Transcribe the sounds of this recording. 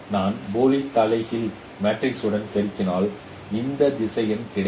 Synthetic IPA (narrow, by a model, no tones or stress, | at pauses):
naːnboːlɪt̪ːɐlɐɪɣɪl | maːʈrɪksɯɽɐnkɛɾɪt̪ːɪnaːl | ɪnd̪ɐd̪ɪsɐjɐmkɪɽɐ